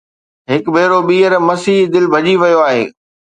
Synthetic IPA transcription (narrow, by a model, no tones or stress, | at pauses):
ɦɪkbʱeːɾoɓiːəɾmɐsiːɦd̪ɪlbʱɐʄiʋɐjoaːɦḛː